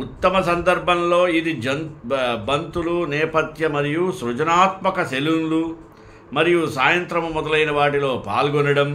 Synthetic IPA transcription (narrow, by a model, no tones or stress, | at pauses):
ut̪ːɐmɐsɐnd̪ɐɾbʱɐmloːid̪id͡ʒɐnbɐnt̪ulunɛːpɐt̪jɐmɐɾijusɾud͡ʒɐnaːt̪mɐkɐselunlu | mɐɾijusaːjɐnt̪ɾɐmumɔd̪ɐlɐjnɐʋaːʈilo̞ːpa̰ːlɡɔnɐɽɐm